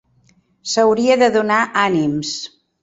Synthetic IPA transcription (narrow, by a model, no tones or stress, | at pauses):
səwɾiəðəðunaʔanims